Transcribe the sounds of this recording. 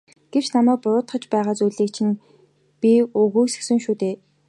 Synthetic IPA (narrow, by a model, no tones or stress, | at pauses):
ɡ̥ew̥t͡ɕnamæːk̚pʊɾʊːt̪χə̆t͡ɕpæːʁaːt͡sujɮiːkt͡ɕʰĭn | pʲiɵɣuːsɘ̥̆ksɘ̆ŋʃuːt̪eː